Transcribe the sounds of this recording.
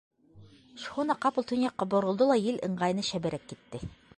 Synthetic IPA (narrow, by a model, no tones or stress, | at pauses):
ʃhunɑqɑpɤ̆lˠt̪ɵ̆njɑqːɑbŏɾŏlˠd̪olˠɑjɘlɤ̆ɴɢɑjnɤʃæbɘ̆ɾækːit̪ːɘ